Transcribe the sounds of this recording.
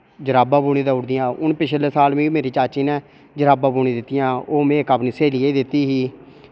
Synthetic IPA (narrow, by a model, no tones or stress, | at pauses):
d͡ʒəɾaːbãːbuːɽ̃ĩːd̪aːʊɽd̪ɪjãːʊnpɪt͡ʃʰleːsaːlmẽːmeːɾiːt͡ʃaːt͡ʃiːnɛ̃ː | d͡ʒəɾaːbaːbuːɽ̃ĩːd̪ɪt̪ːɪjãːoːmẽːkabnɪseːliːed̪ɪt̪ːiːɦiː